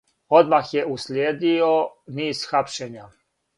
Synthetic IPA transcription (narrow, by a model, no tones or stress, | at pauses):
od̪maxjeuslʲjeːd̪ioniːzxapʃeɲa